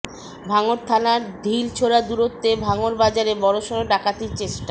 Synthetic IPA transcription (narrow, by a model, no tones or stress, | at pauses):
bʱaŋoɾt̪ʰanaɾd̪ʱilt͡ɕʰoɾad̪uɾot̪ːebʱaŋoɾbad͡ʑaɾebɔɾoʃooɖakat̪iɾt͡ɕeʃʈa